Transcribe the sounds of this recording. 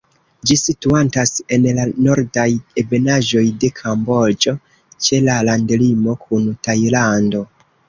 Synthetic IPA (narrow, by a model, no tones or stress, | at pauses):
d͡ʒisituantase̞nlano̞ɾdajebe̞naʒo̞jde̞kʰambo̞ld͡ʒo̞ | t͡ʃe̞lalandlimo̞kʰuntajlando̞